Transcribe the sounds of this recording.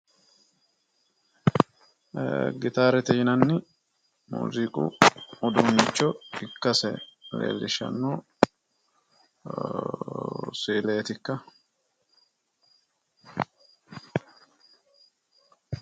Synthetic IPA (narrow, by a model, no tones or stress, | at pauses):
ɡɪt̪aːɾɛt̪ɛjɪnɐnːɪ | mṵːzikʼṵɔd̪unːɪt͡ʃːɔɪkːɐsɛlḛːlːɪʃɐ̰nːoː | siːleːt̪ɪkːɐ